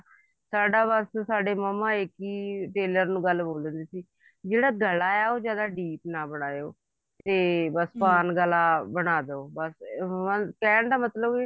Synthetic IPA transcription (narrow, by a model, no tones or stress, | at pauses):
saːɖaːbəssaːɖeːməmːãːɪkiːʈeːləɾnũːɡəlboːlənd̪iːsiː | d͡ʒeːɽaːɡəlaːaːoːd͡ʒjaːd̪aːɖiːpnaːbəɽ̃aːo̰ː | t̪eːbəspaːnɡəlaːbəɽ̃aːd̪oːbəsmãːkɛːɳd̪aːmət̪ləb